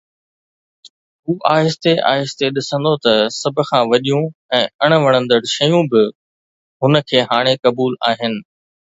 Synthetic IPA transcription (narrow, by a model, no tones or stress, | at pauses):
ɦuːʔaːɪst̪eʔa̰ːɦɪst̪eɗɪsə̃nd̪ot̪ɐsɐbʱʊ̆kʰãːʋɐɗijũɛ̃ːɐɽ̃ʋɐɽ̃ə̃nd̪əɽʃɐjũbɪ | ɦʊnə̆kʰeːɦaːɽ̃ekɐbuːlaːɦɪnɪ̆